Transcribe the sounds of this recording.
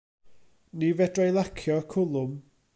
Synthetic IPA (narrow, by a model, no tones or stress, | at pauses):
nivɛdrejlˠakʰjɔkʰʊlˠʊm